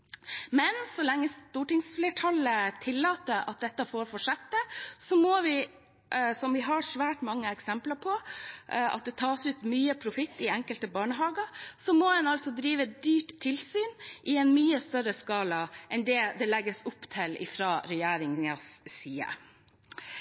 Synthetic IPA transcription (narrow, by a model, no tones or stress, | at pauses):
mɛnsɔlɛŋːəst̪uːʈɪŋsflɛʈʰɑlːət̪ʰɪlːɑːt̪əɾɑt̪̚d̪ɛt̪ːəfoːɾfɔʂɛt̪ːəsɔmoːʋɪ | sɔmʋɪɦɑsʋæːʈmɑŋːəɛksɛmpləɾpʰɔ | ʔɑt̪̚d̪ɛt̪ʰɑːsʉːt̪myːəpʰɾʊfɪt̪ːɪɛŋkəlt̪əbɑːɳəɦɑːɡəɾsɔmoːd̪ɛnɑlt̪sɔd̪ɾiːʋəd̪yːʈt̪ʰːɪlsyːnʔɪɛnmyːəst̪œɾəskɑːləʔɛnd̪ɛːd̪ɛlɛɡːəsʊpːt̪ʰɪlɪ̰fɾɑːɾɛjæːɾɪŋəsːiːə̰